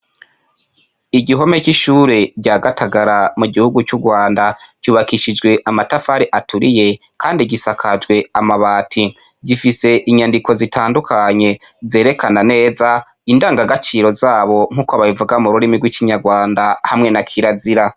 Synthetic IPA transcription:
iɟiɦo̞me̞ciʃuːɾe̞bɟaːɡatʰaɡaɾamuɡihuɡut͡ʃuɡwaːndaɟ̥uːβakiʃid͡ʒɡwe̞ʔamatafaːɾiʔatʰuɾije̞ | kʰaːndiɟisakʰad͡ʒɡwe̞amaβaːtʰi | ɟifise̞ʔiɲandiko̞zitʰaːndukʰaɲe̞ | ze̞ːɾe̞kʰanane̞ːza | indaːŋɡaɡat͡ʃiːɾo̞zaːβo̞ŋ̥uːkoβaβivuɡamuɾuɾimiɡwikiɲaɡwaːndahamŋe̞nakʰiɾaziɾa

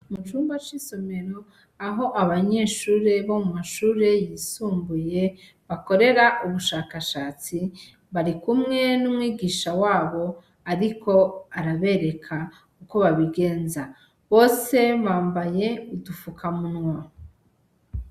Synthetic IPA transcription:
mut͡ʃuːmbat͡ʃiso̞me̞ɾo | aɦo̞ʔaβaɲe̞ːʃuːɾe̞βo̞mumaʃuːɾe̞jiːsuːmbuje̞ | βako̞ɾe̞ɾaʔuβuʃaːkaʃaːt͡si | βaɾikumŋe̞numwiːɡiːʃawaːβo̞ | aɾikʰo̞aɾaβe̞ɾe̞kʰa | uko̞βaβiɡe̞ːnza | βo̞ːse̞βaːmbaje̞udufukʰamunŋwa

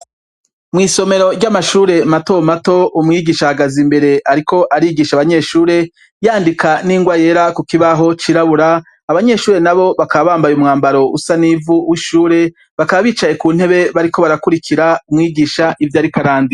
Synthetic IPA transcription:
mŋiːso̞me̞ɾo̞ɾɟamaʃuːɾe̞mato̞mato̞umŋiːɡiːʃahaɡazimbe̞ɾe̞ʔaɾiko̞ʔaɾiɡiːʃaβaɲe̞ʃuːɾe̞ | jaːndikʰaniːŋɡwaje̞ɾakukiβaɦo̞t͡ʃiɾaβuɾaː | βaɲe̞ʃuːɾe̞naβo̞βakaβaβaːmbajumŋaːmbaɾo̞ṵsanivuwiʃuːɾe̞ | βakaβaβiːt͡ʃaje̞kuːn̥he̞βe̞βaɾiko̞βaɾakuɾikʰiɾaumŋiːɡiːʃaʔivjaːɾikaɾaːndi

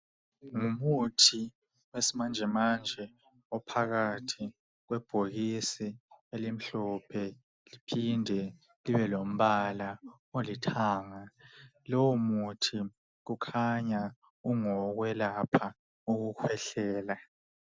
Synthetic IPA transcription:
ŋumutʰi | wesimand͡ʒʱɛmand͡ʒʱɛ | ɔpʰaɣatʰi | ɣwɛb̥ʱoɣisielim̩ɬɔpʰɛ | lipʰindʱɛ | liβɛlom̩βala | olitʰaːŋa | lowumutʰi | ɣukʰaɲa | uŋɔɣwɛlapʰa | uɣukʰwɛɬɛːla

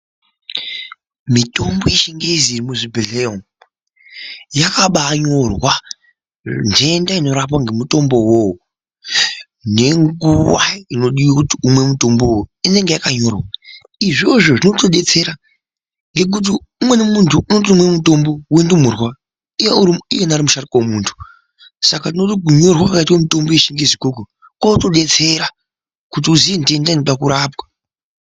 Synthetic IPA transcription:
mito̞mbo̞jeʃiŋɡezirimuʐibiɮeom | jakaɓaɲorwa | nd͡ʒeendaino̞ɾap̬waŋɡe̞muto̞mbo̞wow | ne̞ŋɡuwa̰ino̞ɗiwokutiumwe̞muto̞mbo̞woine̞ŋɡe̞jakaɲo̞rwa | iʐoʐo̞ʐino̞toɗe̞t͡se̞ɾa | ŋɡe̞k̬ut̬iumwe̞nemuntʰuʔunot̬umwemuto̞mbo̞wendumurwa | ijeuɾiijenaɾimuʃarikwomuntʰu̥ | sakatinotoɡʱuɲo̞rwakakaitwamito̞mboeʃiŋɡezikok̬o | kwatoɗe̞t͡se̞ɾa | kut̬iuziendiendanipakuɾaːpwḁ

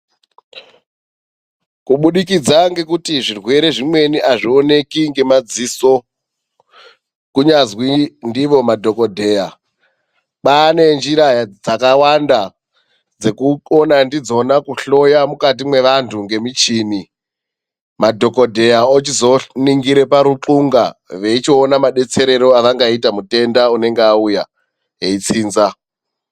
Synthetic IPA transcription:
kuɓuɗikid͡zaŋɡe̞kutiʐirwe̞ɾe̞ʐimwe̞niʔaʐio̞ne̞kiŋɡe̞mad͡ziso̞ | kuɲazwindiʋo̞madʱo̞kodʱe̞ja | ɓane̞nd͡ʒiɾajad͡zakawanda | d͡ze̞kuonandid͡zo̞nakuɬo̞jamukat̬imwe̞ʋantʰuŋɡe̞mit͡ʃiːni | madʱo̞ko̞dʱe̞jaot͡ʃizo̞niŋɡiɾe̞paɾuǁuŋɡa̰ʋe̞it͡ʃionamaɗe̞t͡se̞ɾe̞ɾo̞aʋaŋɡaitamute̞ndaune̞ŋɡeauja | ɦeit͡siːnza

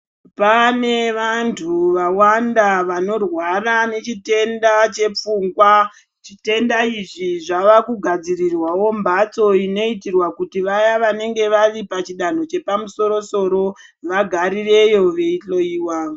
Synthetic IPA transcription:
pane̞ʋantʰuʋawandaʋano̞rwarane̞t͡ʃite̞ndat͡ʃe̞p͡fuŋɡwa | t͡ʃite̞ndaiʐiʐaʋakuɡʱad͡zirirwawo̞mbat͡so̞ino̞itirwakutiʋajaʋane̞ŋɡe̞ʋaripat͡ʃiɗan̤o̞t͡ʃe̞pamuso̞ɾo̞so̞ɾo̞ | ʋaɡʱaɾire̞jo̞ʋe̞iɬo̞iːwa

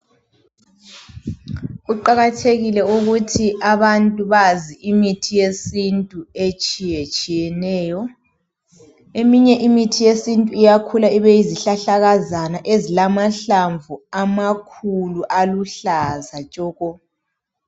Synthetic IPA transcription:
uǃaɣatʰeɣilɛuɣutʰiʔaβantʼuβaziʔimitʰijesintʼuet͡ʃʼijet͡ʃʼijɛnɛːjɔ | emiɲɛʔimitʰijesintʼuijakʰulaiβejiziɬaɬaɣazanaʔezilamaɬaɱvuamakʰuluʔaluɬazat͡ʃʼɔːɣɔ

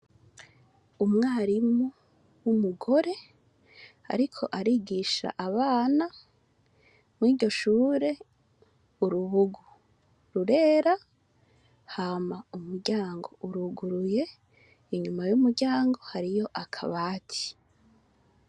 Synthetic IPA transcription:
umŋaːɾimu | wumuɡo̞ɾe̞ | a̰ɾikʰo̞̰ʔaɾiːɡiʃa̰ʔaβaːna | mwiːɟo̞ʃuːɾe̞ | uɾuβuɡu | ɾuɾe̞ːɾa | haːmaumuɾɟaːŋɡo̞uɾuɡuɾuje̞ | iɲumajumuɾɟaːŋɡo̞haɾijo̞ʔakʰa̰βaːtʰi̥

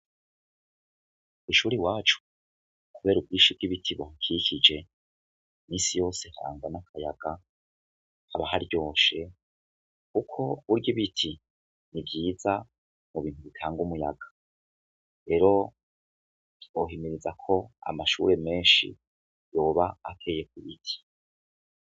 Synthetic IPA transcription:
iʃuːɾiwaːt͡ʃu̥ | kuβe̞ːɾub̚ɡiːʃib̚ɡiβitʰiβoŋkʰikid͡ʒe̞ | miːsijo̞ːse̞haa̰ːŋɡanakʰaja̰ɡ̥a | haβaɦaɾɟo̞ːʃe̞ | kukʰo̞βuɾɡiβitʰi | nibɟiːza | muβiːnhuβitʰaːŋɡumuja̰ɡ̥ḁ | ɾe̞ːɾo̞ | oɦimiɾizakʰo̞a̰maʃṵɾe̞me̞ːnʃḭ | jo̞ːβaːkʰe̞ːje̞k̚uβitʰi̥

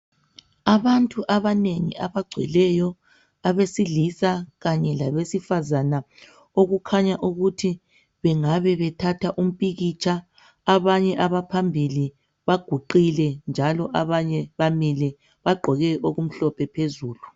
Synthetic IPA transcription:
aβantʼuʔaβaneŋḭʔaβaɡ͡ǀʱwɛ̰lɛjɔ | aβesilisaɣaɲɛlaβesifazana | oɣukʰaɲaʔuɣutʰi | βɛŋaβɛβɛtʰatʰaʔum̩pʼiɣit͡ʃʰaː | βaɲɛʔaβapʰambʱili | βaɡ̥ʱuǃilɛnd͡ʒʱalɔʔaβaɲɛβamilɛ | βaɡ͡ǃʱɔɣɛʔoɣum̩ɬɔpʰɛpʰezuːlu

